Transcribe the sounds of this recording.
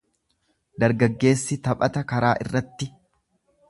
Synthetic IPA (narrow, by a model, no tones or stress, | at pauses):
d̪ɐɾɡɐɡːe̞ːsːɪt̪ɐpʼɐt̪ɐkɐɾaːʔɪ̰rːɐt̪ːɪ